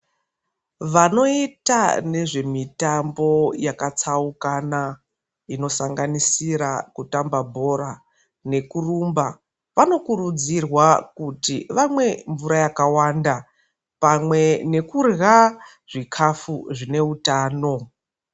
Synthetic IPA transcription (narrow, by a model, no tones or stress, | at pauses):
ʋano̞itane̞ʐe̞mitambo̞jakat͡saukana | ino̞saŋɡanisiɾakutambabʱo̞ɾa | ne̞kurumba | ʋano̞kuɾud͡zirwakutiʋamwe̞ɱvuɾajakawanda | pamwe̞ne̞kurɣa | ʐ̥ikʰafuʐine̞utaːno̞